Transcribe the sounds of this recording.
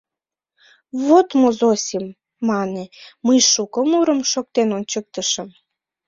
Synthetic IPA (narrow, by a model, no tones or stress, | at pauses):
βot̪mozosʲimː | ɑneməjʃukəmuɾəmʃok̚t̪enonʲt͡ɕək̚t̪əʃəm